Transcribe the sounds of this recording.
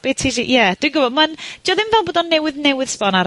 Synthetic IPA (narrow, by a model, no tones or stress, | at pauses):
b̥etʰiʒḭʔjad̥winɡʊbɔdmand̥jɔðɪmvɛlˠboːdɔnːɛwɪðnɛwɪð̥spɔnaɾ